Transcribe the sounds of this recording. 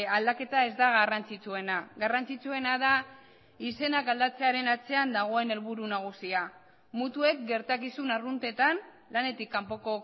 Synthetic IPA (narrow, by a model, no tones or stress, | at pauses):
ald̪ake̞t̪ae̞zd̪aɣarant͡sit͡sue̞naɣarant͡sit͡sue̞naða | ise̞nakald̪at͡se̞aɾe̞nat͡se̞and̪aɣ̞o̞e̞ne̞lβuɾunaɣ̞usia | mut̪ue̞k̚ɡe̞ɾt̪akisunarunt̪e̞t̪an | lane̞t̪ikːampo̞ko